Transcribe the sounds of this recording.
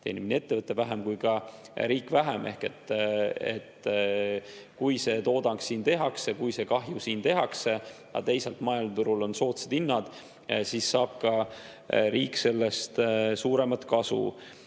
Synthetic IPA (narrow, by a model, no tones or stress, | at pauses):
t̪e̞̰ːniminie̞t̪ːe̞vɤt̪ːˑe̞væɦemkujkɑ | ɾiːkːˑvæɦeme̞hke̞t̪ːḛt̪ | kujse̞ːt̪oːd̪̥ɑŋksːiːnt̪e̞ɦɑksekujse̞kɑɦjusiːnt̪e̞ɦɑkse̞ | ɑ̰t̪e̞jsɑlt̪mɑjɑlt̪uɾulo̞nso̞ːt̪sed̪̥inːɑd̪̥ | sisːɑːb̥̚kɑ | ɾiːkːˑse̞lːest̪suːɾe̞mɑt̪kɑsṵ